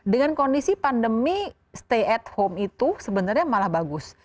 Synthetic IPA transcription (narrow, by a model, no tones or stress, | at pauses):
dəŋankondisipandəmi | st̪eɛt̪̚homit̪usəbənarɲamalahbaɡʊs